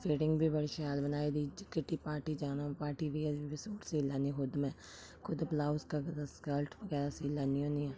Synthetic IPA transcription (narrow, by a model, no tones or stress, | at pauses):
pʰeːʈɪŋɡbʱiːbəɽʃaːlbənaːeːd̪iːd͡ʒɪkːɪʈiːpaːɾʈiːd͡ʒaːnaːpaːɾʈiːɾiəɾibɪsoːʈsiːlaːniːɦʊd̪mɛ̃ː | kʰʊd̪blaːʊskaɡskəlʈʰʋəɡɛːɾasiːlaːniɦõːniɛː